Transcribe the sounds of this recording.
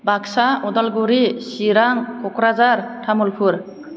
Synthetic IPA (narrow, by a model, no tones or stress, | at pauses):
baksaɔdalɡuɾisiɾaŋkʰɔkɾazaɾtʰamulpʰuɾ